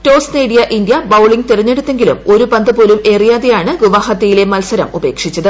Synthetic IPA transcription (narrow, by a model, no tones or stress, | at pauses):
ʈo̞ːsneːɽijɐʔind̪jɐbɐwɭiŋɡt̪irɐɲːe̞ɽut̪ːe̞ŋɡilṵmo̞ɾupɐnd̪ɨpoːlume̞ːrijaːðejaːɳɨɡuʋahɐt̪ːɐjile̞mɐlsɐɾɐ̰mube̞ːkʂit͡ɕːɐðɨ